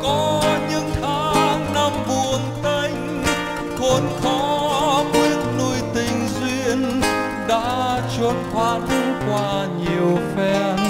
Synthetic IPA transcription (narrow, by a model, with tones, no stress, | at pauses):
kɔ˨˦ɲɨ̰˧˥ŋt̪ʰaː˨˦ŋna˧mɓu˨˩əŋt̪ə˧ŋ̟ | kɔ˨˩nkɔ˨˦mwi˦˥ət̚nu˧jt̪ï˨˩ŋ̟zwi˧ən | ɗa̰ː˧˥t͡ɕə˧˩t̚t̪ʰaː˧˦˥t̚kwaː˧ | ɲi˨˩əwfɛ˧